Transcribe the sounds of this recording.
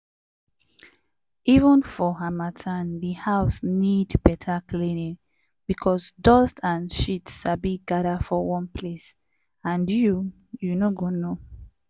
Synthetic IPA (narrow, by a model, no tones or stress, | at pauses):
ivə̃nfɔɦamatʰãnðihaʊsnidbɛtʰaklinĩ | bikʰɔsdɔstʰãnʃitsabiɡaɾafɔwɔ̃npʰles | ãndju | junoɡõnːo